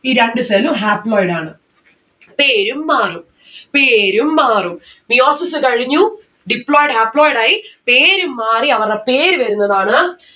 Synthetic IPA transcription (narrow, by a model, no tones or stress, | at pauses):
iːɾeɳɖɨselumɦaːploːjɽaːɳɨ | peːɾumːaːrum | peːɾumːaːrum | bijoːsisɨkɐɻiɲːu | ɖipɭoːjɖɨɦaːploːjɽaːjipeːɾumːaːriɐʋɐrepeːɾʋɐɾunːɐðaːɳɨ